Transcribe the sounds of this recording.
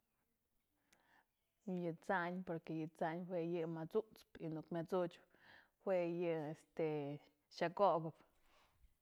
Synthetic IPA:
jɨt͡saɲpoɾkejɨt͡saɲwʷejɨmat͡sut͡spinukmʲat͡sut͡ʃp | hwejɨest̪e | ʃakobɨp

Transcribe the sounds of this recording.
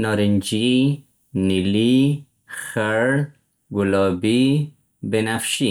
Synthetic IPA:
nɔɾind͡ʒi | nili | xaɾ | ɡulɔbi | benafʃi

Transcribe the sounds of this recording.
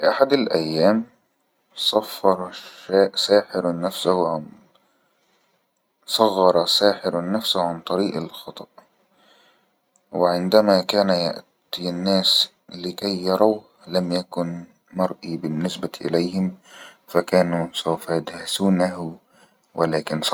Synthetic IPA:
fɪʔaħad̪alʔajːaːm | sˤɑfːɑɾˤaːʔsaːħɪɾnːafsʊhʊʕan | sˤɑɣːɑɾˤɑsaːħɪɾnːafsʊhʕant̪ˤɑɾiːʔalxɑt̪ˤɑʔ | wɪʕɪnd̪amakaːnaja̰ʔt̪inːaːs | lɪkajːɑɾˤaw | lamjakʊn | mɑɾˤʔiːbɪnːɪsbaʔɪ̰lajhɪm | fakaːnusawfajad̪hasuːnaɦʊ | wʔɪlaːkɪns

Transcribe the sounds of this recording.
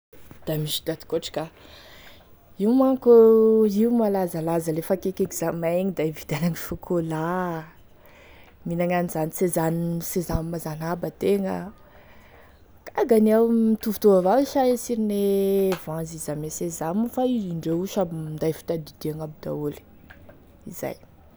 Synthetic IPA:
d̪̥amiʃi̥d̪̥ad̪i̥koʈ͡ʂḁkʲa | iumaŋkuiumalazalazəlefakekekizamaŋid̪aivid̪anaŋifukʰola | minaŋanizanisezanisezanmazanabət̪eŋə̰ | kaɡaniawmit̪uvut̪uvavaiʃaesiɾinevãnzizamesezamufaiiɳɖ͡ʐeuʃabiind̪ajfi̥t̪ad̪id̪̥eaŋabid̪a̰uli̥ | iza̰j

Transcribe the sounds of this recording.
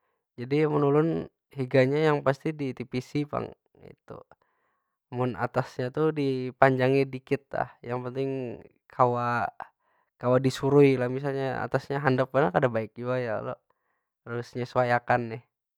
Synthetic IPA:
d͡ʒadimənulʊn | hiɡaɲajaŋpast̪idit̪ipisipa̰ŋ | ḭt̪ṵ | mʊna̰t̪asɲat̪udipaɲd͡ʒaŋidikɪt̪̚la̰hjaŋpənt̪ɪŋ | kʰawa | kawadisuɾuilahmis̬alɲaa̰t̪asɲaɦandap̚manakadabaɪk̚d͡ʒuajaa̰lo̰ | rausɲasuajakanːɪh

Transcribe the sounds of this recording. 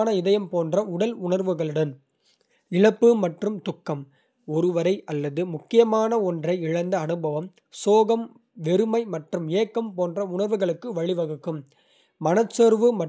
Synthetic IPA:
nɐɪðɐjɐmpoːndrɐʊɽɐlʊɳɐɾʋɯɣɐɭɯɽɐn | ɪɻɐpːɯmɐʈrɯmt̪ʊkːɐm | ɔɾɯʋɐɾɐɪʔɐlːɐðɯmʊkːɪjɐmaːnɐɔndrɐɪɪɻɐnd̪ɐːnɯbɐʋɐm | soːɣɐm | ʋɛɾɯmɐɪmɐʈrɯmeːkːɐmpoːndrɐʊɳɐɾʋɯɣɐɭɯkːɯʋɐɻɪʋɐɣɯkːɯmː | ɐnɐt͡ʃːeɾʋɯmɐ

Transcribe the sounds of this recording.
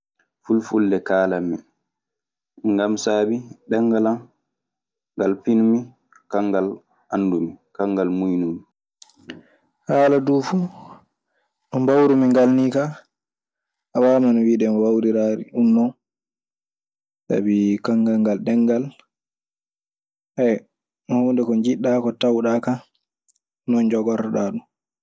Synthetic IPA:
fulfulːɛkaːlamːi | ŋɡamsaːbiɗɛŋɡala | ŋɡalfinmi | kaŋɡal | ʔanːdumikaŋɡalmujnumi | haːladuːfu | ɗɔmbawɾumiŋɡalnika | ʔawamanwiɗɛmwawɾiɾaɾḭɗunːɔ | sa̰bikaŋɡaŋɡalɗɛŋːɡal | hɛ | hondɛkɔɲd͡ʒiɗːakɔtawɗaka | nɔnd͡ʒɔɡɔɾaɗaɗu

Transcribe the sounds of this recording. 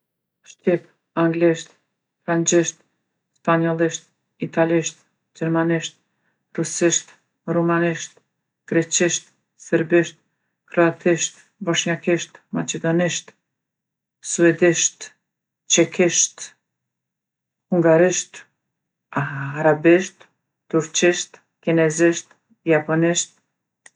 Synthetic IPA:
ʃt̪ip | aŋɡliʃt̪ | fɾant͡ʃiʃt̪̚ | spaɲɔlˠiʃt̪̚ | it̪aliʃt̪ | d͡ʒɛɾmaniʃt̪̚ | ɾusiʃt̪ | rumaniʃt̪ | ɡ̥ɾɛt͡ɕiʃt̪ | səɾbiʃt̪̚ | kɾɔat̪ʰiʃt̪ | bɔʃɲakiʃt̪ma̰t͡ʃɛd̪ɔniʃt̪ | suɛd̪iʃt̪ | t͡ʃɛkʰiʃt̪ | huŋɡaɾiʃt̪ | aɾabiʃt̪ | t̪uɾt͡ʃiʃt̪ | kinɛziʃt̪ | japɔniʃt̪̚

